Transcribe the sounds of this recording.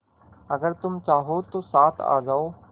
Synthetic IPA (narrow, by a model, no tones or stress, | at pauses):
əɡəɾt̪ʊmt͡ʃaːɦoːt̪oːsaːt̪ʰa̰ːd͡ʒaːoː